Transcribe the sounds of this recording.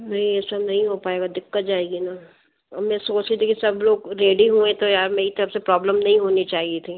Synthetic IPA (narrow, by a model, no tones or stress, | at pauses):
nɐɦĩɪsemnɐɦĩɦopaːeːɡad̪ɪkːət̪̚d͡ʒaːeːɡina | ɐbmɛ̃soːt͡ʃit̪ʰikisɐbloːɡɾeːɖiɦuẽt̪ojaːɾmeːit̪ɐɾəfsepɾɔːbləmnɐɦĩɦoːnit͡ʃaːɦiet̪ʰiː